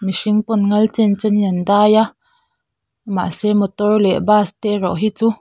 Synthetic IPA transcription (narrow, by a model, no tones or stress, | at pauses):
miʂiŋpɔnŋɐlt͡sɛnt͡sɛniənd̪aːja | ma̰sɛmɔt̪ɔrlɛʔbaːst̪ɛrɔʔɦit͡su